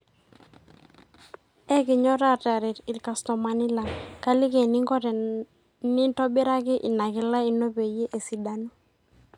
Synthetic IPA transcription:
ɛ˦kɪ˨ɲɔ˦ɾa˦˨ta˨ɾɪ˨tɪ˨lka˨stɔ˨ma˨nɪ˦la˨ŋka˦lɪ˦ke˨nɪ˦ŋɡɔ˦tɛ˨ | nɪ˦ntɔ˦bɪ˦ɾa˦kɪ˦ʔɪ˨na˨kɪ˨la˦i˨no˦be˨je˦ʔe˨si˨da˦no˦

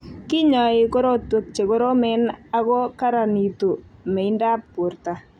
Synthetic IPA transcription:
kɪ˦ɲɔ˨ɪ˨ko˦ɾo˦two˨k̚t͡ʃe˨ko˦ɾo˦mɛ˦na˦ɣɔ˦ka˦ɾa˨ni˨to˨mɛ˨ɪ˦nda˦pːo˨ɾta˨

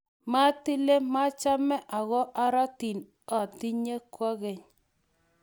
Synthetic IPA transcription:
ma˦ti˦le˦ma˦t͡ʃa˦mɛ˦ʔa˨ɣɔ˦ʔa˦ɾa˦ti˨n | ɔ˨ti˦ɲe˦kwɔ˦ɣɛ˨ɲ

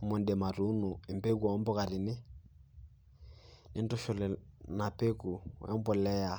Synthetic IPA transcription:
mɔ˨ndɛ˨ma˨ɾu˦nu˨ɛ˨mbe˦ku˨a˨˦mbɔ˦ka˨ɾi˨nɪ˦ | ni˦ndɔ˦ʃɔ˨lɛ˨na˨pe˦ku˨wɛ̰˦mbɔ˦˨lɛ˦a˨

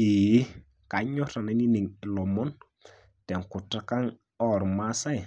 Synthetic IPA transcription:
i˨˦ | ka˨ɲɔ˦ta˨na˨˦ni˦ni˨ŋɪ˨lɔ˨mɔ˦n | tɛ˨ŋkʊ˨ta˦ka˦ŋ | ɔ˨ɾma˦sa˦˨

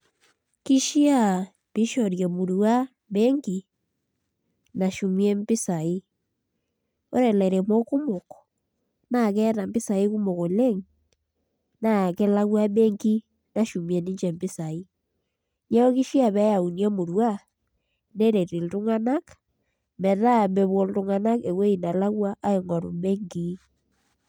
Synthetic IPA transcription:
ki˦ʃi˦a˦˨ | β̥e˦ʃɔ˨ɾjɛ˨mo˨ɾwa˦ | βɛ˦ŋɡi˨ | na˨ʃu˨mjɛ˦mbi˦sa˨i˦ | o˦ɾɛ˨lɛ˨ɾɛ˨mɔ˦ku˦mo˨kɔ̥ | na˨kɛ˦ɾa˨mbe˦sa˨e˦ku˦mo˨ko˨lɛ˦ŋ | na˨kɛ˦la˦ɣwa˦me˦ŋɡi˦ | na˨ʃu˨mjɛ˨ni˦ɲd͡ʒɛ˨mbi˦sa˨i˦ | ɲɛ˦o˦ki˦ʃi˦a˨βɛ˨˦ja˨u˨njɛ˦mo˨ɾwa˦ | ne˦ɾe˨ɾi˨ltu˦ŋa˦na˦k | mɛ˨ða˦˨mbe˨βwo˨ldu˦ŋa˦na˦ke˨we˦i˨na˨la˦ɣwa˦ʔa˦e˨ŋɔ˨ɾṵ˨me˦ŋɡi˦

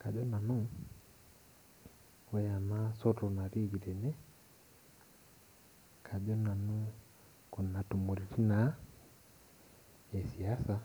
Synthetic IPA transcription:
ka˨ʄɔ˦na˨nu˦ | wɛa˨na˦sɔ˦tɔna˨ɾi˦ɡi˨ɾɛ˨nɛ˦ | kʰa˨ʄɔ˦na˨nu˦ | ku˨nːa˨tu˨mu˨ɾiɾi˦na | ɛ˨si˨asa

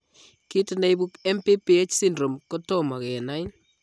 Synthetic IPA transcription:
ki˦tɪ˨ne˦bu˦ke˦mpe˦pi˦e˦t͡ʃsi˦ndɾo˨mkɔ˦tɔ˦ma˨kɛ˨na˦jn

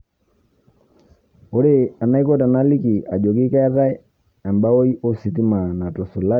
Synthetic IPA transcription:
o˦ɾe˨a˨na˦i˦ko˦ta˨na˦li˦ki˨a˨d͡ʒo˨ki˦ka˦ða˦ | ɛ˨mba˦o˦i˦ʔo˦si˨ti˦ma˨na˨tɔ˨su˨la˦

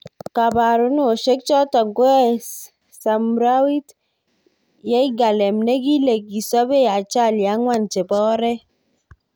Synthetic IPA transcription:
ka˨ba˨ɾu˦no˦˨ʃe˦k̚t͡ʃɔ˦tɔ˨ŋko˦ɛ˦ | sa˨mɾa˦wi˦t | jɛ˦i˦ɡa˨lɛ˨mne˦ɡi˦le˨k̚ːi˨sɔ˦be˦ja˨t͡ʃa˦˨lja˨˦ŋwa˦˨nt͡ʃe˨bɔː˦ɾɛ˦

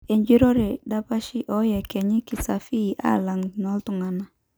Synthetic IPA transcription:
e˨ɲd͡ʒi˦ɾo˦ɾe˨da˦pa˦ʃɪ˦ʔɔ˨˦jɛ˨kɛ˨ɲɪ˦kɪ˨sa˨fi˦˨ʔa̰˦˨la˨ŋnɔ˦ltʊ˨ŋa˨na˦

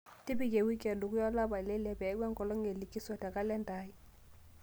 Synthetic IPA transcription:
tɪ˦bɪ˨k̬ɛ˨wi˦kɛ˨dʊ˨kʊ˦jɔ˦la˦ba˨lɛ˦lɛ˦pɛ˨ɛ˦ɡwɛ˦ŋkɔ˨lɔ˦ŋe˨li˨ki˦sɔ˨tɛ˨ka˦lɛ˦nda˦ɪ˦

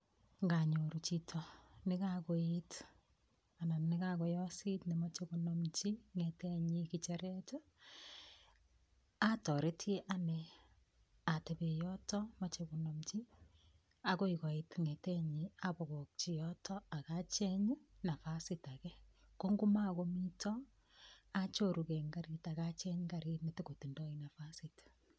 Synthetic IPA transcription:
ŋɡa˨ɲo˨ɾu˨t͡ʃitʰɔnɪ˦kakoit | a˨na˨nɪ˦ka˦kɔ˨jɔ˦si˦tni˨ma˦t͡ʃe˦ku˨nomt͡ʃi˦ŋɛ˨tɛ˦ɲi˦kit͡ʃe˦ɾɛ˦t͡ʃɔ˦ | a˦tɔ˨ɾe˦tje˦ʔa˦ne | a˨te˨be˨jɔtɔ˦mat͡ʃeβo˨no˨mt͡ʃi˦ | a˦ɣo˦iɣo˨itŋeteɲiaβo˨ɣo˨kt͡ʃijɔtʰɔa˨ɣat͡ʃe˦ɲi˦na˨fa˦sita˨ɣe˦ | ko˦ŋɡu˦ma˦ɣo˦mi˦tɔ | at͡ʃo˦ɾuɣe˨ŋɡa˦ɾi˦ta˨ɣat͡ʃe˦ɲɡa˨ɾi˦mete˦ɣo˨ti˨ndo˦ina˨fasit

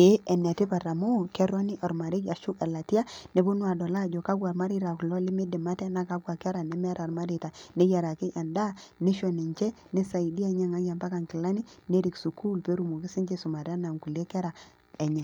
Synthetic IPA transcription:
e˨˦ʔɛ˨nɛ˨tɪ˦pa˨ɾa˨mo˦˨kɛ˦ɾɔ˦ni˦ʔɔ˨ɾma˨ɾɪ˦ka˨ʃʊ˦kɛ˨la˨tja˦ne˨˦bʊ˦nwa˨dɔ˨la˦˨d͡ʒɔ˨ka˦ɡwa˨ɾma˦ɾi˦ɾa˨klɔ˦lɪ˦mɪ˦dɪ˨ma˦tɛ˦na˦ka˦ɡwa˨kɛ˦ɾa˨nɛ˦mɛ˦ɾa˨rma˦ɾi˨ta˨nɛ˦ja˨ɾa˨kɪ˦ʔa˨nda˦ne˦ʃɔ˨nɛ˨ɲt͡ʃɛ˦ | nɛ˦sa˨i˨di˦ɛ˦ɲɛ˦ŋa˦ɡja˨mpa˦ka˨ŋkɪ˨la˦ni˦ne˦ɾi˨ksu˨kʰu˦lpe˦ɾu˨mu˨kɪ˦sɪ˦ɲd͡ʒe˦sʊ˨ma˨ta˦na˨ŋku˨le˦kɛ˦ɾa˨ | ɛ˨ɲɛ˨

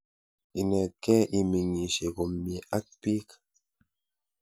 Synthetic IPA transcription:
i˨ne˨kːe˦ʔi˨mi˨ŋi˨ʃi˨ku˨mːi˨ʔa˦k̚pi˦k

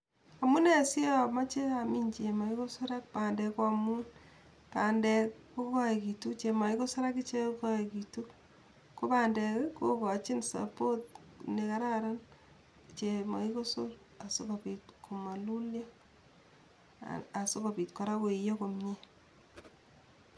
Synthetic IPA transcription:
a˨mu˦ne˦˨si˦a˦ma˦t͡ʃe˦ami˦ɲt͡ʃe˨ma˨i˦ko˦so˦ɾa˦k̚pa˨ndɛ˨kwamun | paː˨ndɛ˨kko˦ka˦e˨ki˨tu˦t͡ʃe˨ma˨i˦ko˦so˦ɾa˦ki˦t͡ʃe˦ka˦ekitu˦ | ko˦paːndɛ˨kko˦ka˨t͡ʃɪ˦nsa̰po˦t̚ | neka˦ɾa˦ɾan | t͡ʃema̰˨iko˦sol | a˨so˦ka˨pi˨tko˨ma˨lu˦lja˦ | a˨so˦ka˨pi˨tka˨ɾa˦ke˨i˨jo˦ko˨mɲe˦

